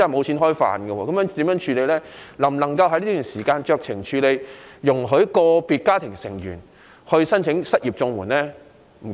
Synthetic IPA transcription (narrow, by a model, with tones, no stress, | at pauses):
ɐ˨˩mo˨˧wt͡sʰiː˨˥nɦɔː˥jfa̰ː˨nɡɛ˧wɔː˧kɐ˨˥mjœː˨˥ŋt̪iː˨˥mjœː˨˥ŋt͡ʃʰyː˧le˨˧jlɛː˥lɐ˨˩m˩lɐ˨˩ŋkɐ˧whɐ˧jliː˥t̪yː˨˩nsiː˨˩kaː˧nt͡ʃœː˧k̚t͡sʰɪ˨˩ŋt͡ʃʰyː˨˧le˨˧jjʊ˨˩ŋɦɵ˨˥kɔː˧piː˨˧t̚kaː˥t̪ʰɪ˨˩ŋsɪ˨˩ŋjy̰ː˨˩n | hɵ˧ɥsɐ˥nt͡sʰɪ˨˧˥ŋsɐ˥t̚jiː˨p̚t͡sʊ˧ŋwuː˨˩nlɛː˥ | m̩˨˩